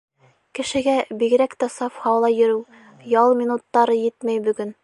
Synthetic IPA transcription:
kɘ̆ʃɘ̆ɡæbiɡɘ̆ɾækt̪æsɑfhɑwlˠɑjɵ̆ɾɘw | jɑlˠmʲinut̪ːɑɾɤjɘt̪mæjbɵ̆ɡɘn

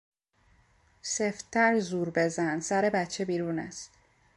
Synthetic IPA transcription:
seftt̪ʰːæɾzuːɾbe̞zænsæɾe̞bæt̪t͡ʃʰebiːɾuːnæ̰st̪

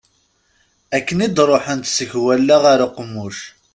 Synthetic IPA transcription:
ækːənid̪ɾˤoħənt̪səçwælːæʁaɾaqːəmːʊʃ

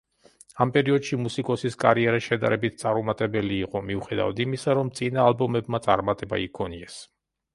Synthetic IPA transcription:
ampʼɛɾiɔd̪ʃimusikʼɔsiskʼa̰ɾiɛɾaʃɛd̪a̰ɾɛbit̪ʰt̪sʼaɾumat̪ʼɛbɛliːqʼɔmiuχɛd̪a̰vad̪imisaɾɔmt̪sʼinaːlbɔmɛbmat̪sʼa̰ɾmat̪ʼɛba̰ikʰɔniɛs

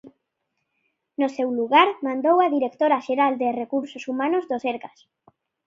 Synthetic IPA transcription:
nosewluɣaɾmãnd̪owaðiɾek̚t̪oɾaʃeɾald̪erekuɾsosumanozðoseɾkas

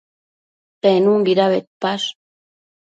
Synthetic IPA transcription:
t̪aenuŋɡiɾaβet̪̚pas

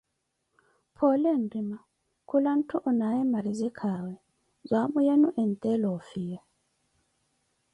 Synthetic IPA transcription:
pʰɔlɛndima | kʰulan̩tʰuʔɔnajɛmaɾizɛkʰawɛ | zwamujɛnuʔɛntʼɛlɔfija

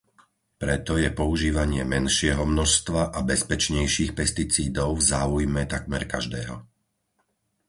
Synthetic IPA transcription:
pɾɛt̪ɔjɛpɔuʒiːʋaɲɪɛmɛnʃɪɛɦɔmnɔʃst̪ʋaʔabɛspɛt͡ʃɲɛjʃiːxpɛst̪it͡siːd̪ɔʊvzaːujmɛt̪akmɛɾkaʒd̪ɛːɦɔ

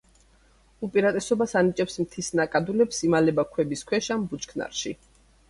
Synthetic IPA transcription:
upʼiɾat̪ʼɛsɔbasanit͡ʃʼɛpsmt̪ʰisnakʼad̪ulɛpsimalɛbakʰwɛbiskʰwɛʃambut͡ʃʼkʰna̰ɾʃi

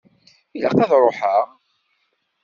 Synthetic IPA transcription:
ilə̰qɑðɾˤoħaʁ

